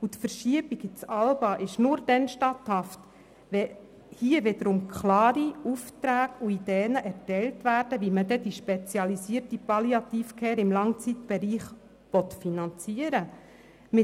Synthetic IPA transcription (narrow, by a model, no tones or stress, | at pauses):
utfəɾʃiəbiɡɪt͡sɑlbɑʔɪʃnʊɾd̥ɛnʃtɑt̪hɑft | ʋɛ | hiəʋɪdəɾʊmkʰχlɑːɾiuft̪ɾæːɡuidɛːnəʔɛrtɛltʋæɾd̥əʋimədɛdiʃpɛt͡sjɑlisiːəɾtipɑliɑt̪iːfkʰɛːɾɪmlɑŋt͡sit̪b̥ɛɾiːχ | ʋɔt̪finɑnt͡siəɾə | mɪ